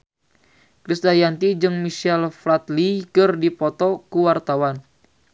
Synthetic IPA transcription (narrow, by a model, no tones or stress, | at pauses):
kɾist̪ajant̪id͡ʒɨŋmiʃɛlflat̪likɨrdipɔt̪ɔkuwart̪awan